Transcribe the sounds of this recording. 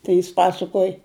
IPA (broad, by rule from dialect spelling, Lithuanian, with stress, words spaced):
ˈtɐɪ jɪs ˈpɑːsɐkuɔj